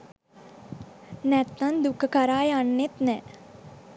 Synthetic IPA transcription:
nɛt̪ːɐnd̪ukʰːkɐɾaːjɐnːet̪nɛ

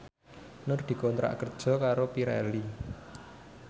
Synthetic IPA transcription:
nʊrd̪̥i̤kɔnt̪ɾa̰ʔkərd̥ʒ̥ɔ̤kaɾopiɾɛ̰li

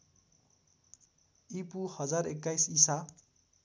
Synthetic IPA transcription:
ipuhʌd͡zarekːajsisa

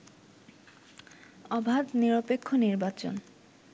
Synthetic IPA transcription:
ɔbʱad̪niɾopekʰːoniɾbat͡ɕo̰n

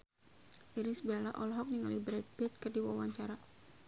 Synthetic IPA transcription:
ʔiɾisbialaʔɔlɦɔk̚niŋalibɾat̪̚bɛt̪̚kərdiwawaɲt͡ʃaɾa

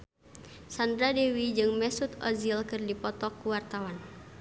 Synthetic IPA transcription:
sand̪ɾadewid͡ʒɨŋmɛsut̪ɔ̰zilkɨrdipɔt̪ɔkːuwart̪awan

